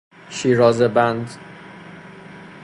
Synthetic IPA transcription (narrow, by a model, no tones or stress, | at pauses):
ʃiːɾɒːzebænd̪